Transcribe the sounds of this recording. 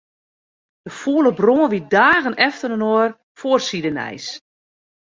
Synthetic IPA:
d̥əfuːlˠəbroːənʋidaːɣənɛftənənor | foːərsidənɛ̰js

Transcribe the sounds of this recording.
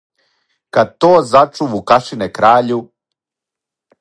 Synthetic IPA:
kad̪̚t̪oːzat͡ʃuʋukaʃinekɾaːʎu

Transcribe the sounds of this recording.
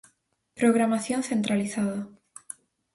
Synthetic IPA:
pɾo̞ɣ̞ɾamaθjonθẽ̞nt̪ɾaliθaða

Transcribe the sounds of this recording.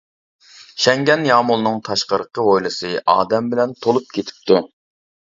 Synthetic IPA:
ʃɛŋɡʲɛnjɑːmulˠnɨŋt̪ʰɑʃqəɾəqʰəʁojlˠɨsɨʔɑ̰ːd̪ɛmbɪlɛnt̪ʰolˠup̚kʲʰet̪ʰɪ̥p̚t̪ʰu

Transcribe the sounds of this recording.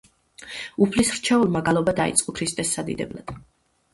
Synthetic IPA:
upʰlisɾt͡ʃʰɛulˠmaɡalˠɔbad̪aḭt̪sʼqʼɔkʰɾist̪ʼɛsːad̪ḭd̪ɛ̰bla̰d̪̥

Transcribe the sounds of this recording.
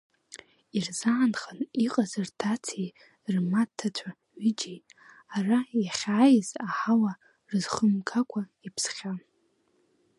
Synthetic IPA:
irzaːnχaniqʼazɨrtʰat͡sʰej | rmatʰːat͡ʃʷʰa | ɥid͡ʒij | arajaχʲaːjzaħawa | rɨzχəmkʰakʷʰaipʰsχʲa

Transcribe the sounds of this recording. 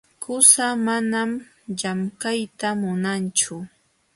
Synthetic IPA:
kʰʊsamanam | ʎamkajt̪amʊnant͡ʃʊ

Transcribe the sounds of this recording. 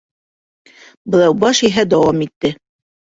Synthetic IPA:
bɤ̆lˠɑwbɑʃiɦæd̪ɒwɑmit̪ːɘ

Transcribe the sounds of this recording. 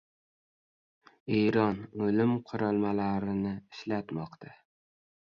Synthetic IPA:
eɾɒnɵlɪmqʰʊɾɒlˠmalaɾɪnɪɪʃlat̪mɒqt̪ʰa

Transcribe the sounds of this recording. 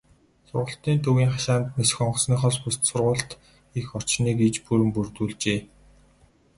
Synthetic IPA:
sʊrʁə̆ɬt̪iːnt̪ʰɵɣiːŋχaʃaːnt̪nes̆xɔɴɢɞ̆sniːχɔɮpust̪sʊrʁʊːɬt̪ | ixɔr̥t͡ɕniːɡit͡ɕpuɾɘ̆mpurt̪uːɮt͡ɕeː

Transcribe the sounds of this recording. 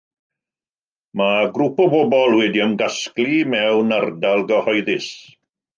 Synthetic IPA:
maɡɾupɔbɔbɔlˠwɛdiəmɡasklimɛwnardalˠɡəhɔjðɪs

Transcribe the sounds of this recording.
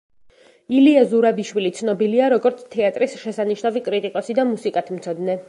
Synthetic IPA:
iliazuɾabiʃwilit̪sʰnɔbiliaɾɔɡɔɾt̪sʰt̪ʰɛat̪ʼɾisʃɛsaniʃnavikʼɾit̪ʼikʼɔsid̪amusikʼat̪ʰm̩t̪sʰɔd̪nɛ

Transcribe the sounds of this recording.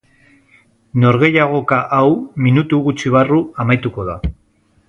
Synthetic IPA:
no̞ɾɣe̞jaɣ̞o̞kaʔawminut̪uɣut͡ʃiβ̞aruamajt̪uko̞ða

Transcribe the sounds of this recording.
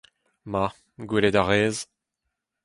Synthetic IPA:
ma | ɡwiled̪aʁeːz

